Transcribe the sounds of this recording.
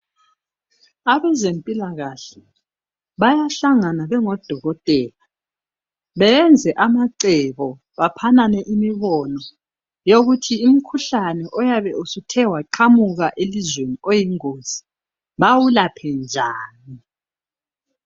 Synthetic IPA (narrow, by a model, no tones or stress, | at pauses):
aβɛzempʼilaɣaɬɛ | βajaɬaŋanaβɛŋɔd̥ʱɔɣɔtʼɛːla | βɛɛnd͡zʱɛʔamaǀɛβɔ | βapʰananɛʔimiβɔnɔ | joɣutʰiːm̩kʰuɬanɛʔɔjaβɛusutʰɛwaǃʰamuɣaʔelizweniojiŋoːz̥i̥ | βawulapʰɛnd͡ʒʱaːni